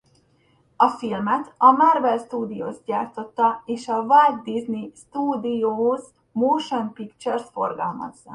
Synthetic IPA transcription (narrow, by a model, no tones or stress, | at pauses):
ɒfilmɛt̪ɒmarvɛlst̪uːd̪ijo̰ːst̪̚ɟaːrt̪o̞t̪ːɒeːʃɒvalɡ̪d̪iznist̪uːd̪ijoːz | moːʃonpikt͡ʃɛrsfo̞̰rɡɒ̰lmɒ̰zːɒ̰